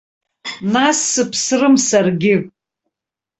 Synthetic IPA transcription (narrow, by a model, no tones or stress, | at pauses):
nasːɨpʰsrɨmsarɡʲɪ